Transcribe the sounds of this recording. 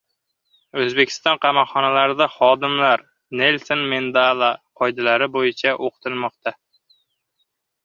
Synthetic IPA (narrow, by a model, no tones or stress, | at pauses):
ɵzbekʲʰɪ̥st̪ɒnqʰɑmɒqχɒnalaɾɪd̪aχɒd̪ɪmlaɾ | ne̞lsonmend̪alˠaqʰɒjd̪alaɾɪbojɪt͡ʃʰaʔoqʰɨ̥t̪ʰɪlˠmɒqt̪ʰa